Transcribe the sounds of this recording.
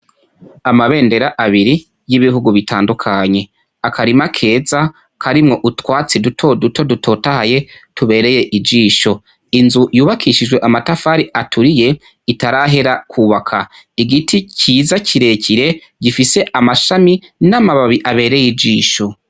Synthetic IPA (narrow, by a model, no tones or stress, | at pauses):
amaβe̞ːnde̞ɾaʔaβiɾi | jiβiɦuɡuβitʰaːndukʰaɲe̞ | akaɾimakʰe̞ːza | kʰaɾimŋo̞ʔutwaːt͡sedutʰo̞dutʰo̞dutʰo̞ːtahaje̞tʰuβe̞ːɾe̞je̞ʔid͡ʒiːʃo̞ | inzujuːβakʰiʃid͡ʒɡweʔamatafaːɾiatʰuɾije̞ | itaɾaɦe̞ɾakʰuːβakʰa | iɡitʰicʰiːzaciɾe̞ːciɾe̞ | ɟifise̞ʔamaʃaminamaβaβiʔaβe̞ːɾe̞jid͡ʒiːʃo̞